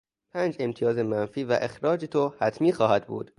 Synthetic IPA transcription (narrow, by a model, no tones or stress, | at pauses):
pʰæːnd͡ʒe̞mt̪ʰijɒːzemænfiːvæʔe̞xɾɒːd͡ʒet̪ʰohæt̪ʰmiːxɒːhæd̪̚bṵːd̪̥